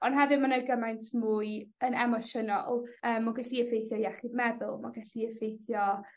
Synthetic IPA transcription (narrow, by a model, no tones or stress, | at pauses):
ɔnɦɛvɨmanəjɡəmajntʰmuːɨənɛmɔʃənɔ̰lˠəːmːɔɡaɬiəfejθjɔjɛχɪdmɛðʊlˠmaɡaɬiəfejθjɔ